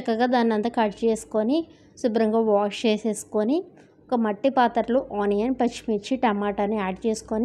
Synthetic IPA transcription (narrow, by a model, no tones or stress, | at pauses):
ɐkːɐɡaːd̪aːninɐnt̪ɐkaɾʈt͡ʃe̞ːsu̥koni | subɾɐŋɡɐːʋaːʂt͡ʃeːseːsu̥koni | ɔkɐmɐʈːipaːt̪ɐɾluʔaːnijɐnpɐt͡ʃmit͡ʃːiʈɐmaːʈɐnːiaːɖt͡ʃeːsu̥koni